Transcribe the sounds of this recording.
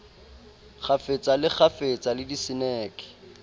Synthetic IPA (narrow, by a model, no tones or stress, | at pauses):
χʰafet͡sʼalɪk͡xʰafet͡sʼalɪdisɪnɛːkʼɪ̥